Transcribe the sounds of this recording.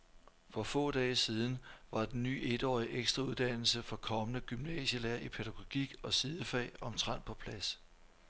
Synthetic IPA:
fɒ̽fɔ̰̽ːd̥ɛːsið̞ˠn̩ʋɑ̈d̥enːy̰ːe̝d̥ɒ̰ːiʔeɡ̥sd̥ʁɑuð̞ˠd̥æn̰l̩səfɒ̽kʰɒ̽mənəɡ̥ymnɛ̰ːɕəlæːɐ̰ʔipʰe̝ɾ̥æɡ̥o̝ɡ̥iɡ̥ɒ̽siðˠəfɛ̰ːɪɒ̽mt͡sʰʁɑ̈n̰pʰɒ̽pʰlæs

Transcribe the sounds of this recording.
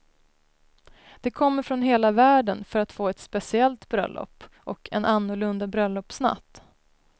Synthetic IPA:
d̪̥ɛkʰɔmːəɾfɾɔnɦeːlavæːɖənfœɾat̪foːɛt̪spɛsɪɛlt̪bɾœ̰lːʔɔ̰pːʔɔkʰɛ̰nanːʊɭɵnd̪abɾœlːɔpːsna̰t̪ː

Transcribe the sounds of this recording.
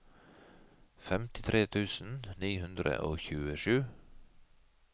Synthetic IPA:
fɛmt̪ɪ̥t̪ʰɾʔeːt̪ʰʉːsn̩niːhʉnd̪ɾə̰ʔoːçʉːəʃʉː

